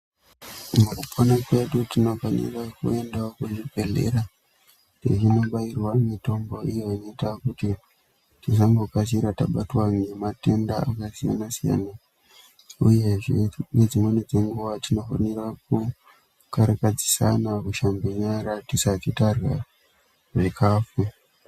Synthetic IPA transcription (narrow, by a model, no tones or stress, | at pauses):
mukupʰonakwe̞ɗutino̞fanḭrakue̞ndakuʐipe̞ɮe̞̰ɾa | teʐino̞ɓairwamito̞mbo̞ijoino̞itakuti | tis̬ambokas̬iɾataɓatwanemate̞ndaakasija̰nasija̰na | uje̞ʐened͡zimwened͡ze̞ŋɡuʋatino̞fa̰nirak̚u | kaɾakad͡zisa̰nakuʃambiɲaɾatisat͡ʃitarwa | ʐikʰaːfu